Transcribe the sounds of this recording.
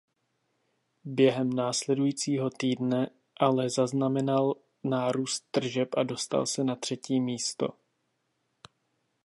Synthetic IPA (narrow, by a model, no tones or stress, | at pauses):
bjɛɦɛmnaːslɛdujiːt͡siːɦo̞t̪iːdnɛ | ʔalɛzaznamɛnal | naːɾuːst̪ːr̩ʒɛpʔado̞st̪a̰lsɛnat̪r̝̥ɛciːmiːst̪o̞̰